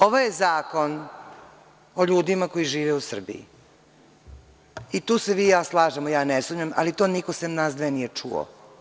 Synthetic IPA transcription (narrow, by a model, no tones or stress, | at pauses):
oʋojezaːko̞n | oʎuːd̪imakojiʒiːʋeusr̩bḭḭ | it̪uːseʋiːjaːslˠaːʒemojaːnesuːmɲama̰lit̪o̞ːniko̞semnaːsd̪ʋenijet͡ʂṵo̰